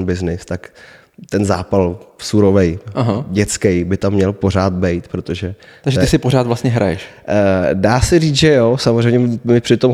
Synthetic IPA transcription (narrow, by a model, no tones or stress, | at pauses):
nbɪznɪst̪ak | t̪ɛnzaːpalsuɾovɛjaɦaɟɛt͡skɛjbɪt̪amːɲɛlpo̞ɾ̝aːt̪̚bɛjt̪pɾot̪o̞ʒɛaɡʒɛɪsɪporaːt̪vlast̪ɲɛɦɾajɛʃ | daːsɛriːt͡sʒɛjosamozrɛjɲɛmɪpr̥ɪt̪o̞m